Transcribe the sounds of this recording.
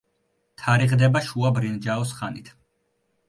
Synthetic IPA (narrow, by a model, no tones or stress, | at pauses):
t̪ʰaɾiʁd̪ɛbaʃuabɾind͡ʒaɔsχanit̪ʰ